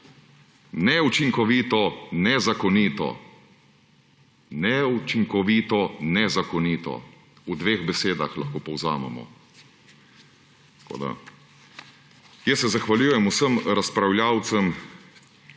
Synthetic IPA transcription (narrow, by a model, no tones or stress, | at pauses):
nɛut͡ʃiŋkɔʋiːt̪ɔnɛzakɔniːt̪ɔ̰ | nɛut͡ʃiŋkɔʋiːt̪ɔnɛzakɔniːt̪ɔ̰ | ud̪ʋeːɣbɛseːd̪axla̰xkoːpɔwza̰ːmɛ̰mɔ̰ | t̪kʰo̰ːd̪a̰ | jəsɛzaxʋaljuːjɛmusəmɾaspɾawljaːwt̪səm